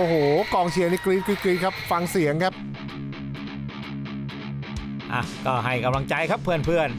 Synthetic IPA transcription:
ʔoː˧˩ɦoː˨˩kɔː˨˩ŋt͡ɕʰi˨˩˦na˧kɾiː˧nkiː˧kɾiː˧kʰa˦˥p̚fa˧ŋsi˩˦əŋkʰa˦˥p̚ | ʔa̰˧˩kɔː˥˩ɦa˥˩jka˧mla˧ŋt͡ɕa˧jkʰa˦˥pʰːɯ˥˩ənpʰɯ˥˩ən

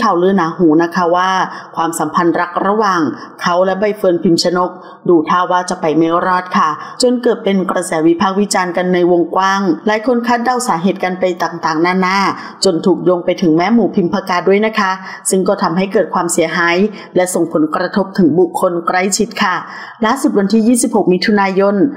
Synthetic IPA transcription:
kʰa˨˩wlɯː˧˥naː˨˦ɦuː˩˦na˦˥kʰa˦˥waː˥˩kʰwaː˧msa˩˦mpʰa˧nɾa˦˥k̚ɾa˧waː˨˩ŋ | kʰa˦˥wlɛ˦˥ba˧˩jfɤː˧npʰi˧msʰa˧no˦˥k̚ | duː˧˩t̪ʰaː˥˩wːaː˥˩t͡ɕa˨˩pa˧jme˦˥wɾɔː˦˥˩t̪̚kʰa˥˩t͡ɕo˧nkɤː˨˩t̪̚pe˧nkɾa˧sɛː˩˦wi˦˥pʰaː˥˩k̚wi˦˥t͡ɕaː˧nka˧nːa˧jwo˧ŋkwaː˥˩ŋlaː˨˦jkʰo˧nkʰaː˥˩t̪̚da˧˥˩wsaː˩˦ɦeː˨˩t̪̚ka˧npa˧jt̪aː˨˩ŋt̪aː˨˩ŋnaː˥˩naː˥˩ | t͡ɕo˧nt̪ʰuː˨˩k̚joː˧ŋpa˧jt̪ʰɯ˩˦ŋmɛː˦˥muː˨˩pʰi˧mpʰa˧kaː˧du˥˩əjna˦˥kʰa˦˥ | sɯ˥˩ŋkɔː˥˩t̪ʰa˧mɦa˥˩jkɤː˨˩kʰwaː˧msi˨˩˦ɐɦaː˨˦j | lɛ˦˥so˨˩ŋpʰo˩˦nkɾa˧t̪ʰo˦˥p̚t̪ʰɯ˩˦ŋbu˨˩kʰːo˧nkɾa˧˥˩jt͡ɕʰi˦˥t̪̚kʰa˥˩ | laː˦˥˩su˨˩wa˧nt̪ʰiː˥˩jiː˥˩si˨˩p̚ho˨˩k̚mi˦˥t̪ʰu˧naː˧jo˧n

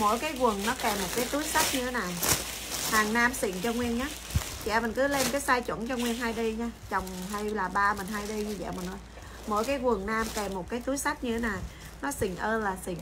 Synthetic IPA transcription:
mo̰˧˥jkaː˨˦jkwə˨˩ŋnɔ˨˦kɛ˨˩mo˨˩t̚kaː˨˦jt̪ɨ˨˦əjsa˦˥t̚ɲɨ˧t̪ʰe˨˦na˨˩j | haː˨˩ŋnaː˧msḭ˧˨ŋt͡ɕɔ˧ŋwi˧ənɲaː˨˦˥ | t͡ɕɛ̰˧˨mi˨˩nkɨ˨˦le˧nkaː˨˦jsaː˧jt͡ɕṵ˧˩nt͡ɕɔ˧ŋwi˧ənɦaː˧jɗi˧ɲaː˧t͡ɕə˨˩wŋ͡mha˧jlaː˨˩ɓaː˧mï˨˩n̟ɦaː˧jɗi˧ɲɨ˧zɛ̰˧˨mï˨˩nʔəː˧j | mo̰˧˥˨jkaː˨˦jkwə˨˩ŋnaː˧mkɛ˨˩mːo˨˩t̚kaː˨˦jt̪ɨ˨˦jsa˦˥t̚ɲɨ˧t̪ʰe˨˦na˨˩j | nɔ˨˦sï˨˩ŋ̟ʔəː˧laː˨˩sḭ˧˨ŋ

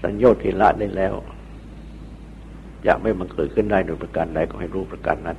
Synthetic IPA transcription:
sa̰˨˧˦njoː˥˩t̪ʰːiː˧˩˨la̰˦˥ʔdaː˧˩˨jlɛː˦˥˩w | ja̰ː˨˩k̚ma˥˩jma˧nkɤː˨˩t̪̚kʰɯ˥˩˨ndaː˥˩jdoː˧jpɾa˧ka˧nda˧jkɔː˥˩ha˥˩jɾuː˧˩pɾa˧ka̰˧nːa˧˩

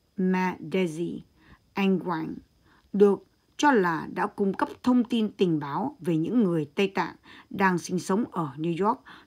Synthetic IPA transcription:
maː˧ɗɛ˧zi˧ | ʔa˧ŋkwa˧˩ŋ | ɗɨ˨˩ək̚ | t͡ɕɔ˧laː˨˩ɗa̰ː˧˥kʊ˧ŋ͡mkə˦˥p̚t̪ʰə˧wŋ͡mt̪i˧nt̪ï˨˩ŋ̟ɓaː˨˦wve˨˩ɲɨ̰˧˥ŋːɨ˨˩əjt̪ə˧jt̪a̰ː˧˨nɗaː˧ŋsï˧ŋ̟sə˨˦wŋ͡mʔəː˧˩ni˧zɔ˦˥k̚

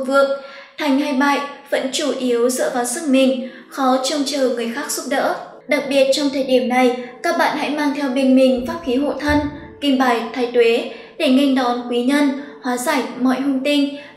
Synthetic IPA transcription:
vɨ̰˧˨əŋt̪ʰa˨˩jŋ̟ha˧jɓa̰ː˧˨jvə̰˧˥nt͡ɕu˧˩ʔi˨˦əwzɨ̰ː˧˥vaː˨˦wsɨ˦˥ŋ̚mï˨˩ŋ̟ | xɔ˨˦t͡ɕɔ˧wŋ͡mt͡ɕəː˨˩ŋɨ˨˩əjxaː˦˥k̚zʊ˦˥p̚ɗə̰ː˧˥ | ɗa˨˩k̚ɓi˨˩ət̚t͡ɕɔ˧wŋ͡mt̪ʰəː˨˩jɗi˧˩əmna˨˩jkaː˦˥k̚ɓa̰ː˧˨nha̰˧˥jmaː˧ŋt̪ʰɛ˧wɓe˧nmï˨˩ŋ̟faː˦˥p̚xi˨˦ɦo̰˧˨t̪ʰə˧nki˨˩mɓaː˧˩jt̪ʰaː˨˦jt̪we˨˦ | ɗe˧˩ŋa˧ŋ̟ɗɔ˨˦nkwi˨˦ɲə˧nhwaː˨˦zaː˧˩jmɔ̰˧˨jhɦʊ˧ŋ͡mt̪ï˧ŋ̟

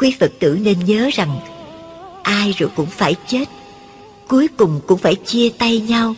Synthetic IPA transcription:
kwi˨˦fə˨˩k̚t̪ɨ̰˧˩ne˧nɲəː˨˦za˨˩ŋ | ʔaː˧jzo˨˩jkʊ̰˧˥ŋ͡mfaː˧˩jt͡ɕe˦˥t̚ | ku˨˦jkʊ˨˩ŋ͡mkʊ̰˧˥ŋ͡mfaː˧˩jt͡ɕi˧ət̪a˧jɲa˧w

